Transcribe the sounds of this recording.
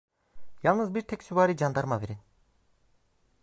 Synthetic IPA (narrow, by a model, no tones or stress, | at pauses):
jalˠnɯzbiɾt̪ʰɛcsyvaːɾid͡ʒand̪aɾmave̞ɾin